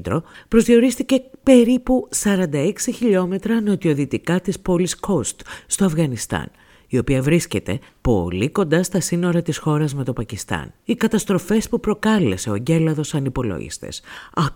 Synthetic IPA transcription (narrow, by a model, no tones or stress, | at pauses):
d̪ɾo̞pɾo̞zðio̞ɾist̪ice̞pe̞ɾipusɐɾɐnd̪ɐeksiçiʎo̞me̞t̪ɾɐno̞t̪io̞ðit̪ikɐt̪ispo̞liskost̪st̪o̞ɐfɣɐnist̪ɐ̰n | io̞piɐvɾisce̞t̪e̞ | po̞̰liko̞nd̪ɐst̪ɐsino̞ɾɐt̪isxo̞ɾɐzme̞t̪o̞pɐcist̪ɐ̰nikɐt̪ɐst̪ɾo̞fe̞spupɾo̞kɐle̞se̞oɟe̞lɐðo̞sɐnipo̞lo̰ʝḭst̪e̞̰sɐ